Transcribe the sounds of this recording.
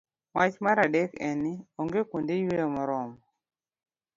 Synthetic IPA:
wat͡ʃmaɾadɛkɛnioŋɡekundejweɔmɔɾɔmɔ

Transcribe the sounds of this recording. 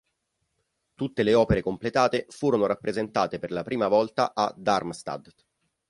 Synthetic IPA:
t̪ut̪ːeleɔːpeɾekomplet̪aːt̪efuːɾonoɾapːɾʔezent̪aːt̪eperlapɾiːmavɔlt̪aʔad̪armst̪a̰d̪

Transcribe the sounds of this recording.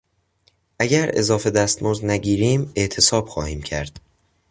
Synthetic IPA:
ʔæɟæɾe̞̰zɒːfe̞d̪æst̪moːznæɟiːɾiːme̞ʔt̪ʰe̞sɒːb̥xɒːhiːmcʰæ̰ɾd̪̥

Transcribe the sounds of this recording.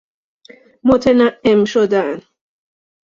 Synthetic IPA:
mot̪ʰenæʔːemʃod̪æn

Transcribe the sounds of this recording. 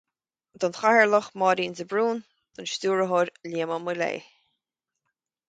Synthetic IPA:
d̪ɔnxahəɹləxmɑːɾiːnzəbɹuːn | d̪̥ʊnʃt̪uːɹəɦoɾliːməmulḛː

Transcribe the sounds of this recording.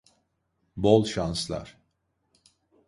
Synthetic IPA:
bolˠʃanslˠa̰ɾ̥

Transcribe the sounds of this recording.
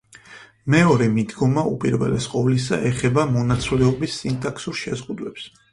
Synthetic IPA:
mɛɔɾɛmid̪ɡɔmaupʼiɾvɛ̰lɛsqʼɔvlis̬a̰ʔɛχɛbamɔnat̪sʰwlɛɔbisːint̪ʼaksuɾʃɛzʁud̪wɛps

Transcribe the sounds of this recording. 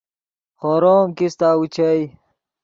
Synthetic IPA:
xoɾoːmkist̪aːut͡ɕʰɐj

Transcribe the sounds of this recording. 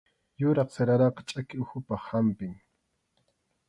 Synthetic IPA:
jʊɾɑχseɾaɾɑqɑ̥t͡ʃʼakɪʊxʊpaχhampɪŋ

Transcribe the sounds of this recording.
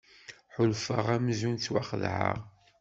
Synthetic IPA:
ħʊlfəʁæmzunt͡sːwa̰χəðʕə̰ʁ

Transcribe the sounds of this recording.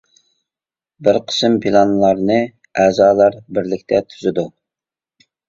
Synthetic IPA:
bɪɾqʰə̥sɨmpʰilˠɑnlˠɑɾnɨ | æːzɑːlˠɑɾbɪɾlɪkʲt̪ʰɛt̪ʰyzɪd̪u

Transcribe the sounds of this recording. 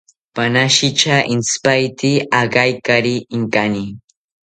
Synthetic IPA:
panaʃɪt͡ʃaʔɪnspajt̪ɪaɢajkaɾɪɪŋkani

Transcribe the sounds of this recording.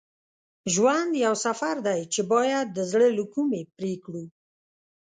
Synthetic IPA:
ʒwand̪jawsafaɾd̪ajt͡ʃebɑjad̪̚ːəzɽəlukumepɾekɽu

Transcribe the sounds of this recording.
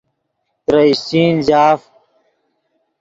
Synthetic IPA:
t̪ɾɐisiːnzaːf

